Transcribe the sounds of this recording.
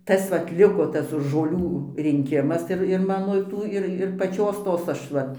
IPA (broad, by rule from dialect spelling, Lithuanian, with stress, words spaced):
ˈtɐs ʋɐt ˈlʲɪkoː ˈtɐs ʒoːˈlʲuː rʲɪŋʲˈkʲɪmɐs ɪr ɪr ˈmɑːnoː ˈtuː ɪr ɪr pɐˈt͡ʃʲoːs ˈtoːs ˈɐʃ ˈʋɐ